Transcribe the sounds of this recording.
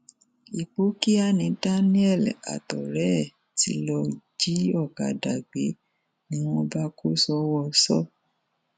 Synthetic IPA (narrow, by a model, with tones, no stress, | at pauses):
i˨k͡po˨˦ki˦a˦˨nĩ˨˧da˦nĩ˦ɛ˦˨la̰˨tɔ˨ɾɛ˨˦˨ | tḭ˧˦lɔ˧d͡ʒi˨˦ɔ˦˨ka̰˨da˨ɡ͡be˨˦ | nĩ˨˦w̃ɔ̃˧ba˦ko˦sɔ˦wɔ˧sɔ̰˦